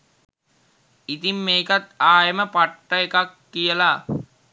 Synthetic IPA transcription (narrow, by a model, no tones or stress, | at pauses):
it̪imːeːkat̪aːjəməpaʈːəekakːijəla